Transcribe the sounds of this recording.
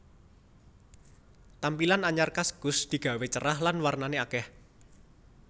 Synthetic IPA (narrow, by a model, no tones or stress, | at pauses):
t̪ampilanaɲarkasɡ̥ʊ̤sd̪̥i̤ɡ̥ä̤wet͡ʃəɾaɦlanwarnaneakɛh